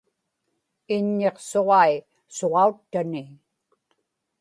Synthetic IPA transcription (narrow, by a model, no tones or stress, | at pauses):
ɪɲːeqso̞ʁɑi | soʁɑut̪ːani